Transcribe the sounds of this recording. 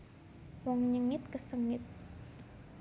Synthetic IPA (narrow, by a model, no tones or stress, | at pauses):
wɔŋɲəŋɪt̪̚kəsəŋɪt̪̚